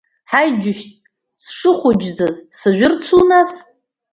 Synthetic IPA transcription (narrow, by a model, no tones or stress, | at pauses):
ħajd͡ʒʊʃtʼ | sʂɨχʷʊd͡ʒd͡zazsaʒʷᶣʊrt͡sʰunaz